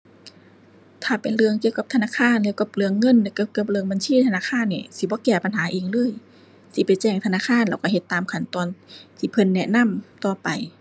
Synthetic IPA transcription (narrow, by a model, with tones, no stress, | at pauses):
t̪ʰaː˧˩pe˨nlɯ˧əŋki˧əwka˧p̚t̪ʰa˧naː˧˥˨kʰaː˧˨nlɛ˧˨wka˧˦p̚lɯ˧əŋːɤ˧˥˨nlɛ˧ka˧˩ka˧˩p̚lɯ˧əŋba˨nsiː˧˥˨t̪ʰa˧naː˧˥˨kʰaː˧˥˨nːḭ˧˩si˧˦bɔː˧˦kɛː˧˩pa˨nɦaː˨˦ʔiː˨˩ŋlɤː˧˥˨j | si˧˦pa˨˩jt͡ɕɛː˧˩ŋt̪ʰa˧naː˧˥˨kʰaː˧˥˨nlaː˧˩wka˧˩˨he˧˦t̪ːaː˨mkʰa˧˩˨nt̪ɔː˨nt̪ʰiː˧˩pʰɤ˧˥˨nːɛ˧ʔna˧˥˨mt̪ɔː˧pa˨j